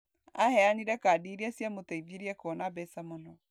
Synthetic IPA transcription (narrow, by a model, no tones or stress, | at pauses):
ahɛaniɾɛkaːdiɾiasjamotaiviɾiakɔnabɛsamɔnɔ